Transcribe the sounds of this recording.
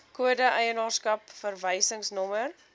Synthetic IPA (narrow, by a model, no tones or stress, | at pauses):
kuədəʔəjənɑːrskɐpfərvəjsəŋsnɔmər